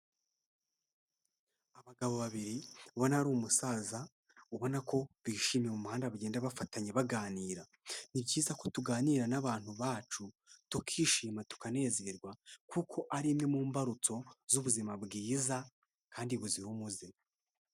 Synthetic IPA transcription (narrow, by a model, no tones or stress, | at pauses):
aβaɡaβo̞βaβiɾiβo̞naɾuːmusaːza | uβo̞nako̞βiːʃiːmjemumuhaːndaβaɟe̞ːndaβafataɲeβaɡaːniːɾa | nibɟiːzako̞tuɡaːniɾanaβaːn̥huβaːt͡ʃu | tukʰiːʃiːmatu̥kane̞ːze̞ɾɡwakukʰo̞ʔaɾimŋemuːmbaɾut͡so̞zuβuzimabɡiːza | kʰaːndiβuzihumuze